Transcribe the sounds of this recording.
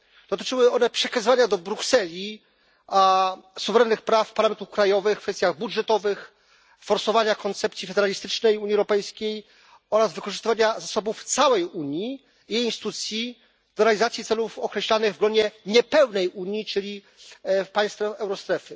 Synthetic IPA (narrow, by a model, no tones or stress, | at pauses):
d̪̥ɔt̪ɘ̥t͡ʂɘwɘɔnɛpʂɛkazɨvaɲad̪ɔbɾuksɛlʲi | asuvɛɾɛnːɘxpɾafpaɾlamɛnt̪ufkɾajɔvɘxkfɛst̪ʲjaɣbudʐɛt̪ɔvɘx | fɔɾsɔvaɲakɔnt̪sɛpt̪sʲifɛd̪ɛɾalʲist̪ɘt͡ʂnɛjuɲːiɛwɾɔpɛjskʲej | ɔɾazvɘkɔʐɨst̪ɘvaɲazasɔbuft̪sawɛjuɲi | ejinst̪ɘ̥t̪ut̪sʲji | d̪̥ɔɾɛalʲizat̪sʲit̪sɛlufɔkɾɛɕlanɘɣvɡlɔd͡ʑɛɲɛpɛwnɛjʔuɲit͡ʂɘlʲi | paj̃st̪fɛʔɛwɾɔst̪ɾɛfɘ